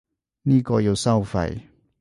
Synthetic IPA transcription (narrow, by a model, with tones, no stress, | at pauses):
nĩ˥˧˨kɔ˨jo˨˩˨sa˥˧wfa̰˨j